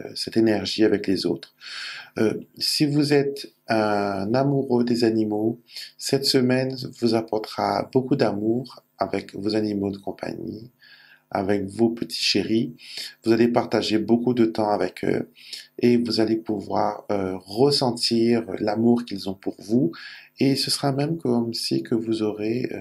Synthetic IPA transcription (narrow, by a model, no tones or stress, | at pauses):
sɛt̪enɛʁʒiavɛklezo̰t̪χ | øsivuzɛt̪ | ɛ̃namuʁød̪ezanimosɛt̪səmɛnvuzapɔʁt̪ʁa̰bokud̪amuʁ | avɛkvozanimod̪əkɔ̃pa̰ɲḭ | a̰vɛkvopət̪ʰi̥ʃeʁivuzalepaʁt̪aʒebokud̪ət̪ɑ̃avɛkʰø̰evuzalepuvwaʁøʁəsɑ̃t̪iʁ̰lamuʁkʲilzɔ̃puʁvuesəsəʁamɛmkɔmsikʰəvuzɔʁḛ